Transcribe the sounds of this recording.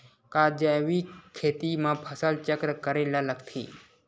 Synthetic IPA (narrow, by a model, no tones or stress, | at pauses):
kad͡ʒəʋikʰeːt̪imãpʰəsəlt͡ʃəkɾəkəɾelaləɡt̪ʰḭː